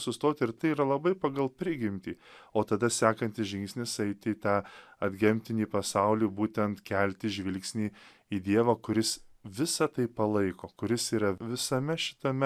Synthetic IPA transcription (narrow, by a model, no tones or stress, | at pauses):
sʊst̪oːt̪ʲɪɾt̪ɐɪiːɾɐlˠɐbɐɪpɐɡɐlˠpʲɾʲɪɡʲɪmʲt̪ʲiːoːt̪ɐd̪ɐsʲæːkɐnʲt̪ʲɪsʒʲɪŋksʲnʲɪsɐɪt̪ʲɪiːt̪ɑːɐd̪ʲɡʲɛmʲt̪ʲɪnʲiːpɐsɐʊlʲiːbuːt̪ʲɛnt̪kʲɛlʲt̪ʲɪʒʲʋʲɪlʲksʲnʲiː | iːd̪ʲiɛʋɐkʊɾʲɪsʋʲɪsɐt̪ɐɪpɐlˠɐɪkoːkʊɾʲɪsiːɾɐʋʲɪsɐmʲɛʃʲɪ̥t̪ɐmʲɛ